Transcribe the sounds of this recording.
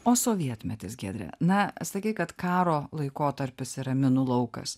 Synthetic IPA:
oːsoːʋʲiɛt̪ʲmʲɛt̪ʲɪsɡʲæːd̪ʲɾʲɛ̰nɐsɐkʲɛɪkɐt̪kɑːɾoːlˠɐɪkoːt̪ɐɾʲpʲɪsɪɾɐmʲɪnʊlˠɐʊkɐ̰s

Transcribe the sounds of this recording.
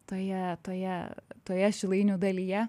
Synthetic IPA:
t̪oːjɛt̪oːjɛt̪oːjɛʃʲɪlˠɐɪnʲuːd̪ɐlʲijɛ

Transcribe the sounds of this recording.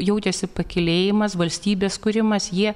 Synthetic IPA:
jɛʊt͡ʃʲɛsʲɪpɐkʲɪlʲeːjɪmɐsʋɐlʲsʲt̪ʲiːbʲeːskʊɾʲɪmɐsjiɛ

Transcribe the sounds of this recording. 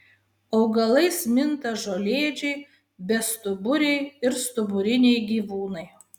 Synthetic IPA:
ɐʊɡɐlˠɐɪsmʲɪnt̪ɐʒoːlʲeːd͡ʒʲɛɪ | bʲɛst̪ʊbʊɾʲɛɪɪɾst̪ʊbʊɾʲɪnʲɛɪɡʲiːʋuːnɐɪ

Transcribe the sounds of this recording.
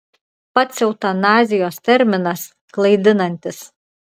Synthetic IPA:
pɐt̪sʲɛʊt̪ɐnɑːzʲɪjoːst̪ʲɛɾʲmʲɪnɐs | klˠɐɪd̪ʲɪnɐnʲt̪ʲɪs

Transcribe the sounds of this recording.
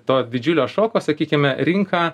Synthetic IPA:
t̪oːd̪ʲɪd͡ʒʲʊlʲoːʃoːkoːsɐkʲiːkʲɪmʲɛɾʲɪŋkɑː

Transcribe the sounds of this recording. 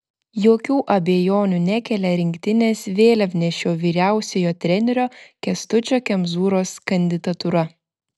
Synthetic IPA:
joːkʲuːʔɐbʲejoːnʲunʲækʲɛlʲɛɾʲɪŋʲkʲt̪ʲɪnʲeːsʋʲeːlʲɐpʲnʲɛʃʲoːʋʲiːɾʲæˑʊsʲejoːt̪ʲɾʲɛnʲɛɾʲoːkʲɛst̪ʊt͡ʃʲoːkʲɛmzuːɾoːskɐnʲd̪ʲɪd̪ɐt̪ʊɾɐ

